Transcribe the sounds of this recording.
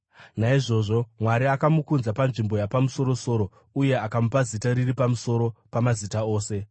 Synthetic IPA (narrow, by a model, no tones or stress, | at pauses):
naiʐo̞ʐo̞mwaɾiakamukunzapanʐimbo̞japamuso̞ɾo̞so̞ːɾo̞ | uje̞akamupazitaɾiripamuso̞ɾo̞pamazitao̞ːse̞